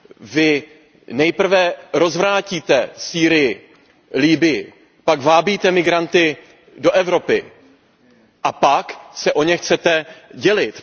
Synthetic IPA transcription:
vɪ | nɛjpr̩vɛɾo̞zvɾaːciːt̪ɛsiːɾɪjɪ | liːbɪjɪ | paɡvaːbiːt̪ɛmɪɡɾant̪ɪ | do̞ʔɛvɾo̞pɪ̰ | ʔapaksɛʔo̞ɲɛxt͡sɛt̪ɛɟɛlɪt̪

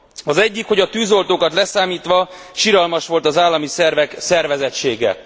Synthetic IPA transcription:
ɒzɛɟːikho̞ɟɒt̪yːzo̞lt̪oːkɒt̪lɛsaːmiːt̪ʋɒ | ʃiɾɒlmɒʃʋo̞lt̪ɒzaːlːɒmisɛrvɛksɛrvɛzɛt͡ʃːeːɡɛ̰

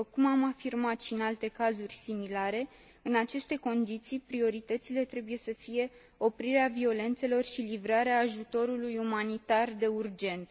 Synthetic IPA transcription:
kumamafirmat̪ʃinalt̪e̞kazurʲsimilaɾe̞ | ɨnat͡ʃe̞st̪e̞ko̞nd̪it̪sijpɾio̞ɾit̪ət̪sile̞t̪ɾe̞buje̞səfije̞ | o̞pɾiɾeavio̞le̞nt̪se̞lo̞rʃilivɾaɾeaːʒut̪o̞ɾulujumanit̪ard̪e̞urd͡ʒe̞nt̪s

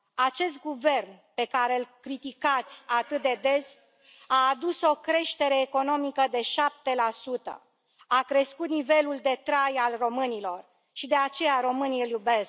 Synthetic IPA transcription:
at͡ʃe̞st̪̚ɡuve̞rnpe̞kaɾelkɾit̪ikat̪sʲat̪ɨt̪̚d̪e̞d̪e̞s | aːd̪uso̞kɾe̞ʃt̪e̞ɾe̞ːko̞no̞mikəd̪e̞ʃap̚t̪e̞lasut̪ə̰ | akɾe̞skut̪nive̞luld̪e̞t̪ɾajalro̞mɨnilo̞r | ʃid̪e̞at͡ʃe̞jaɾo̞mɨniljube̞sk̚

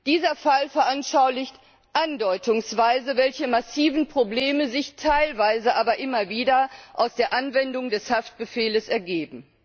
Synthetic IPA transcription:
d̥iːzɐfalfɛɐʔanʃaʊlɪçt | ʔandɔʏtʊŋsv̥aɪzəvɛlçəmasiːvn̩pʁ̥obleːməzɪçtʰaɪlvaɪzəʔaːbɐʔɪmɐviːdɐʔaʊsd̥eːɐʔanvɛndʊŋdɛshaft̚b̥əfeːləsɛɐɡeːbm̩

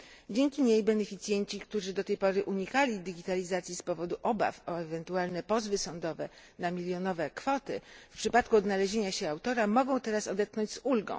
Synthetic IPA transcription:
d͡ʑeŋkʲiɲejbɛnɛfʲit̪sʲjɛɲt͡ɕik̚t̪uʐɘd̪ɔt̪ɛjpɔɾɘʔuɲikalʲid̪ɘɡʲit̪alʲizat̪sʲjispɔvɔd̪uʔɔba̰fɔɛvɛnt̪ualnɛpɔzvɘsɔnd̪ɔvɛ | namʲilʲjɔnɔvɛkfɔt̪ɘ̰fpʂɘpat̪kuɔd̪nalɛʑeɲaɕɛawt̪ɔɾamɔɡɔ̃w̃t̪ɛɾasɔd̪ɛt̪̚knɔɲd͡ʑʲzulɡɔ̰̃w̃

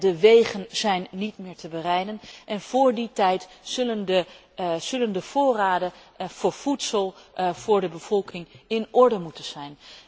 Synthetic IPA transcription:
dəʋejχənz̥ɛjnːitmɪːɹtəbərɛjdənʔɛnv̥ʊːɹditɛjtzɵləndə | z̥ɵləndəv̥ʊːraːdəv̥ʊːɹv̥utsəlˠv̥ʊːɹdəbəv̥ɔlˠkɪŋɪnʔɔɹdəmutənz̥ɛjn

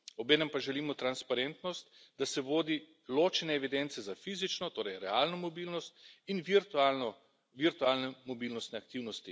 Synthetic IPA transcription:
ɔbeːnɛmpaʒɛliːmɔt̪ɾanspaɾent̪nɔst̪ | d̪asɛʋoːd̪i | loːt͡ʃɛnɛːʋid̪ent̪sɛzafiːzit͡ʃnɔt̪oːɾɛjɾɛaːlnɔmɔbiːlnɔst̪inʋiɾt̪alɔ | ʋiɾt̪uaːlnɛmɔbiːlnɔst̪nɛakt̪iːwnɔst̪i

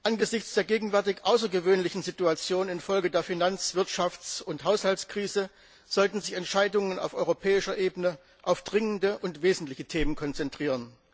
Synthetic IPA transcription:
ʔanɡəzɪçt͡sd̥eːɐɡeːɡŋ̩vɛɐtɪçʔaʊs̬ɐɡəvøːnlɪçn̩zituat͡sjoːnɪnfɔlɡədeːɐfinant͡sv̥ɪɐtʃaft͡sʊnthaʊshaltskʁ̥iːzə | z̥ɔltn̩zɪçɛntʃaɪdʊŋəna̰ʊfʔɔʏʁopʰɛːɪʃɐʔeːbənə | ʔaʊfd̥ʁɪŋəndəʔʊntv̥eːzn̩tlɪçətʰeːmənkʰɔnt͡sɛntʁ̥iːʁən

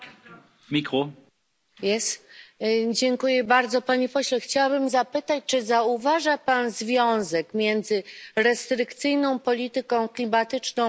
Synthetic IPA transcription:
mʲikɾɔ | jɛs | d͡ʑɛŋkujɛbaɾd̪zɔpaɲipɔɕlɛxt͡ɕawabɘmzapɘt̪at͡ɕt͡ʂɘzauvaʐapanzvʲjɔ̃w̃zɛkmʲjɛnd̪zɘɾɛst̪ɾɘkt̪sɘjnɔ̃w̃pɔlʲit̪ɘkɔ̃w̃klʲimat̪ɘt͡ʂnɔ̃w̃

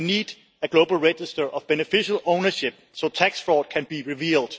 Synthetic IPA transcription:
nid | ɨɡ̥loʊbl̩ˠɹɛd͡ʒɪstə˞ʔʌvb̥ɛnɨfɪʃəlˠõʊ̃nə˞ʃɪp̚soʊtʰæksfɹɔd̥̚kʰæ̃nbiɹɪviːlˠd̥

